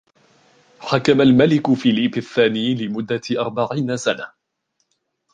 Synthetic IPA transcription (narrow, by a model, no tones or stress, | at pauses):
ħakamalmalɪkʊfiːliːbaθːaːniːlɪmʊd̪ːaʔɑɾˤbaʕiːnasana